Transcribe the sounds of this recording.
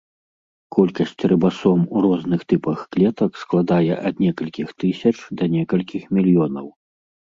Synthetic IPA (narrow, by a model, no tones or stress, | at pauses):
kɔlʲkɐsʲt͡sʲrɨbasɔmuɾɔznɨxt̪ɨpɐxklʲɛt̪ɐksklˠad̪ajɛʔɐd̪nʲɛkɐlʲkʲixt̪ɨsʲɐt͡ʂd̪ɐnʲɛkɐlʲkʲixmʲilʲjɔnɐw